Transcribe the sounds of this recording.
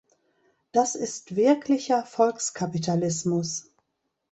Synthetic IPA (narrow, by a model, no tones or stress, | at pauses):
d̥asɪstv̥ɪɐklɪçɐfɔlkskʰapitalɪsmʊs